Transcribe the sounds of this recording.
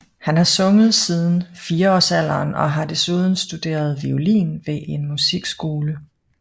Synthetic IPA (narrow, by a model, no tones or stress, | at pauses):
hænhɑ̈sɔ̽ŋəð̞̩ˠsiːð̞ˠn̩fiːɐɒ̰ːsæl̰ɐːnɒ̽ɦɑ̈d̥e̝suð̞ˠn̩sd̥ud̥e̝̰ːɐð̞ˠʋiolḭːnʋe̝ʔe̝nmusiɡ̥sɡ̥o̝ːlə